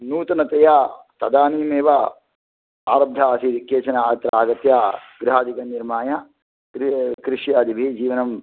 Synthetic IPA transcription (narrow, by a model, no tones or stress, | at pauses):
nuːt̪ɐnɐt̪ɐjaːt̪ɐd̪aːniːmeːʋɐ | aːɾɐb̚d̪ʱaːɐsikeːt͡ʃɐnɐːt̪ɾɐaːɡɐt̪jaːɡɾiɦaːd̪ikɐniɾmaːjɐ | kɾkɾiʂjaːd̪ibʱed͡ʒiːʋɐnɐm